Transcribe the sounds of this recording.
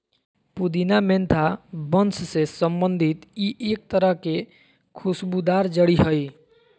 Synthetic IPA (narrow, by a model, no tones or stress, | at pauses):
pud̪inament̪ʰabənsʰsesəmbənd̪ʱit̪iʔek̚t̪əɾəɦke | kʰusbud̪aɾd͡ʒəɽiɦəj